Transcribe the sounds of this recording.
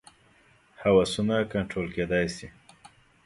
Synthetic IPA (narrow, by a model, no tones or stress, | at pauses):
hawasunakaɳʈɾolked̪ajsi